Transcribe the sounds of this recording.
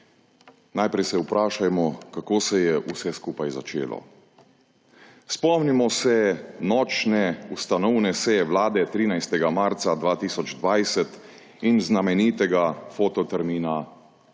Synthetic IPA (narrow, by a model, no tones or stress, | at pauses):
najpɾɛjsɛupɾʔaːʃajmɔkakoːsɛjɛʔusɛskuːpajza̰t͡ʃḛːlɔ̰ | spɔmnimɔsɛnɔːt͡ʃnɛust̪anɔwnɛsɛjɛʋlaːd̪ɛt̪ɾiːnajst̪ɛɡamaɾt̪sad̪ʋaːt̪iːsɔd͡ʒd̪ʋajsɛt̪ | inznamɛniːt̪ɛɡafoːt̪ɔt̪ɛɾmiːna